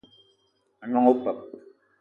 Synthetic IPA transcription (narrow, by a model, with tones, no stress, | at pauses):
a˨nɔ˦ŋo˦pə˨p̚